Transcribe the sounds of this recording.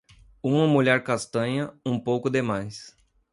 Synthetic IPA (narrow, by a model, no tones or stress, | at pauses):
ũmɐmuʎɛɾkast̪ɐ̃ɲɐũpowkʊd̪emajs